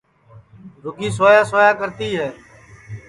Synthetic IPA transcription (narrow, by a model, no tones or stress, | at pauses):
ɾʊɡiːsoːjaːsoːjaːkəɾt̪iːɦɛː